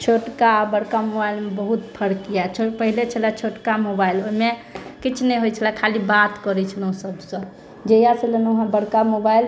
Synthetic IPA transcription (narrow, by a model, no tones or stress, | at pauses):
t͡ʃʰoʈkabəɽkamobailmebəɦut̪̚pʰəɽkijat͡ʃʰopəɦilet͡ʃʰəlɛt͡ʃʰoʈkamobailoɦimekit͡ʃʰnɛɦojt͡ʃʰəlakʰalibat̪kɔɾɛt͡ʃʰəlõsəbsə̃ | d͡ʒejaselənoɦãbəɽkamobail